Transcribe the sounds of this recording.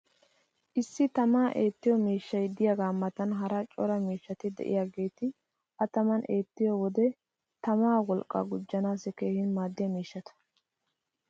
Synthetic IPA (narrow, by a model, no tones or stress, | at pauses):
ʔɪsːɪt̪ɐmaːʔe̞ːt̪ːɪjɔmiːʃːɐjd̪ɪjɐɡaːmːɐt̪ɐnɦɐɾɐt͡ʃʼɔɾɐmiːʃːɐt̪ɪd̪ɛ̰ʔɪ̰jaːɡe̞ːt̪ɪ | ʔɐt̪ɐmɐnʔe̞ːt̪ːɪjɔwɔd̪ɛ | t̪ɐmaːwɔlkʼːɐ̰ɡʊd͡ʒːɐnaːsɛke̞ːhɪnmaːd̪ːɪjɐmiːʃːɐt̪ɐ̥